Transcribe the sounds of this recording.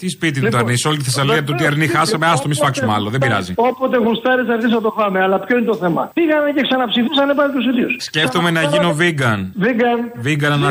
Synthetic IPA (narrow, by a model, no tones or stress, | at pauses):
t̪ispit̪it̪t̪ɐɾnisolit̪iθesɐlojɐt̪ot̪iɐɾnixɐsɐmeɐst̪omisfɐksumeɐ̰loðebiɾɐ̰zḭo̞pot̪e̞ɣust̪ɐɾesɐɾðisɐt̪ofɐmeɐlɐpço̞inet̪o̞θe̞mɐ̰piɣɐneceksɐnɐpsifisɐnepɐnt̪osit̪iossce̞ft̪ome̞nɐʝinoviɡɐnviɡɐnviɡɐnɐnɐ